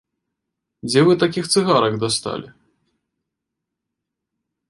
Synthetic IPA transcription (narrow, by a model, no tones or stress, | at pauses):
d͡zʲɛvɨt̪akʲixt̪sɨɣaɾɐɡd̪ast̪a̰lʲi